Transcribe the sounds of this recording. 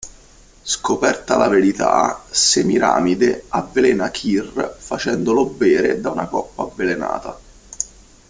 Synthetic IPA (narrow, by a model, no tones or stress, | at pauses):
skopɛrt̪alaveɾit̪a̰semiɾa̰ːmid̪eavːelɛːnakʰirfat͡ʃɛnd̪olobːɛːɾed̪aunakɔpːaːvːelena̰ːt̪a̰